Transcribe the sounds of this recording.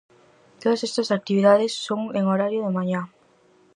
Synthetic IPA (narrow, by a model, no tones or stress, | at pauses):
t̪oðɐsest̪ɐsak̚t̪iβiðaðɪsːoŋeŋoɾaɾjʊðemaɲa